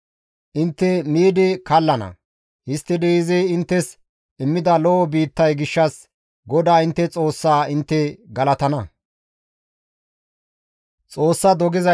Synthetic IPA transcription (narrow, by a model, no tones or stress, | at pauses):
ʔɪnt̪ːɛmiːd̪ɪkɐlːɐnɐ̰ | hɪst̪ːɪd̪ɛɪzɛːɪnt̪ːɛs | ɪmːɪd̪ɐlɔɔbiːt̪ːɐjɡɪʃːɐs | ɡɔd̪aːɪnt̪ːɛt͡sʼo̞ːsːaːɪnt̪ːɛɡɐlɐt̪ɐnɐ | t͡sʼo̞ːsːɐd̪ɔɡɪzɐ